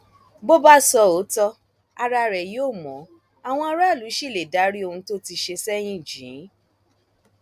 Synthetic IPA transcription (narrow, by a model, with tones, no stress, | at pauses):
bo˦ba˦sɔ˧o˨˦tɔ˧ | a˧ɾa˧ɾɛ˨jo˦˨mɔ̃˨˦ | a˨w̃ɔ̃˧˦ɾa˦˨lu˨˦ʃi˦˨le˨da˨˦ɾi˦o˧hũ˧to˦ti˧ʃe˧sɛ˦j̃ĩ˦˨d͡ʒĩ˨˦